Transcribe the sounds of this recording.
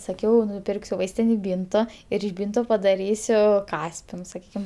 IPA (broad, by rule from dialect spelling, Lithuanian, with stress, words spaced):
sɐˈkʲɛʊ nʊˈpʲɪrksʲʊ ˈʋɐɪsʲtʲɪnʲeːj ˈbʲiːntoː ɪr ɪʃ ˈbʲiːntoː pɐdɐˈrʲiːsʲʊ ˈkɑːsʲpʲɪnʊs sɐˈkʲiːkʲɪm